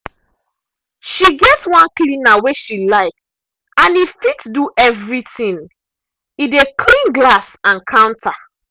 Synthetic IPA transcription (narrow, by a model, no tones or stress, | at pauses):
ʃiɡɛtwɔ̃nklĩnaweʃilaɪk̚ | ãnifitduʔɛvɹiθĩŋ | idekʰlĩŋɡlasãnkʰãʊ̃ntʰa